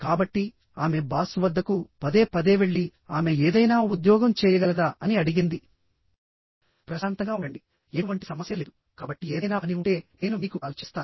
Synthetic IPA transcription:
kaːbɐʈːi | aːme̞baːsuʋɐd̪ːɐkupɐd̪e̞ːpɐd̪e̞ːʋe̞ɭːi | aːme̞eːd̪ɐjnaːud̪jɔːɡɐmt͡ʃɛːjɐɡɐlɐd̪aːʔɐniɐɽiɡind̪i | pɾɐsaːnt̪ɐŋɡaːuɐɳɖi | euʋɐɳʈi̥sɐmɐsjɐleːd̪u | kaːbɐʈːieːd̪ɐjnaːniuɳʈe̞ːne̞ːnumiːkukaːlt͡ʃist̪aːn

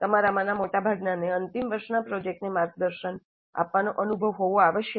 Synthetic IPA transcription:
t̪əmaɾamãnamoʈabʱaɡnaneənt̪imʋəɾʃnapɾod͡ʒek̚ʈnemaɾɡ̚d̪əɾʃən | a̰pʋanoʔənubʱəʋɦoʋoaʋəʃjə

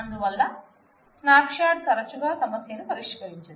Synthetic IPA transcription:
ɐnd̪uʋɐlːɐ | snaːpʂaːʈ̚kɐɾɐt͡ʃːuɡaːsɐmɐsjɐnupɐɾiʂkɐɾiɲt͡ʃɐi

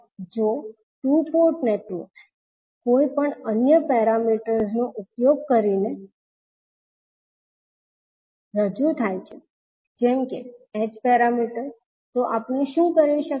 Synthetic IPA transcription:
d͡ʒo | ʈupoɾʈneʈʋəɾks | koipəɳənjəpɛɾamiʈəɾznoʔupjoɡ̚kəɾine | ɾəd͡ʒũt̪ʰajt͡ʃʰe | d͡ʒɛmkeɛd͡ʒpɛɾamiʈəɾ | t̪oʔapneʃũkəɾiʃək

